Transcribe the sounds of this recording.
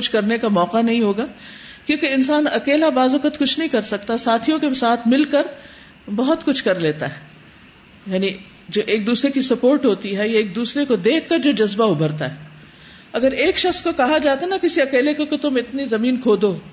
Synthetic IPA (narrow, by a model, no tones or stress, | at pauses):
kʊt͡ʃʰkɐɾnekamɔːqanɐɦĩɦoːɡaːkjõːkeɪnsaːnɐkeːlabaːzʋɐkət̪kʊt͡ʃʰnɐɦĩkɐɾsɐk̚t̪asaːt̪ʰijõkesaːt̪ʰmɪlkɐɾ | bɐɦʊt̪kʊt͡ʃʰkɐɾleːt̪aɦɛː | jaːni | d͡ʒoːʔeːk̚d̪uːsɾekisɐpoːɾʈɦoːt̪iɦɛjaeːk̚d̪uːsɾekod̪eːkʰkɐɾd͡ʒoːd͡ʒɐzbaʊbʱəɾt̪aɦɛː | ɐɡəɾeːkʃɐxskokɐɦad͡ʒaːt̪anɐkɪsiɐkeːlekokot̪ʊmɪt̪nizɐmiːnkʰoːd̪oː